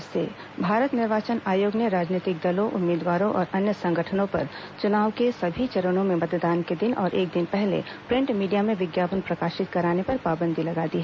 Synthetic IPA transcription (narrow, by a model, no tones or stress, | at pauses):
sḛ | bʱaːɾət̪nɪɾʋaːt͡ʃənaːjoːɡneɾaːd͡ʒniːt̪ɪk̚d̪ɐlõʔʊmːeːd̪ʋaːɾõʔɔːɾɐnjəsɐ̃ŋɡʱəʈʰənõpɐ̰ɾ | t͡ʃʊnaːʋkesɐbʱit͡ʃɐɾəñõmẽmɐt̪d̪aːnked̪ɪnɔːɾʔeːk̚d̪ɪnpɛɦlḛ | pɾɪ̃ɳʈmiːɖijamẽʋɪɡjaːpənpɾɐkaːʃɪt̪kɐɾaːnepɐɾpaːbə̃nd̪ʱilɐɡaːd̪iɦɛ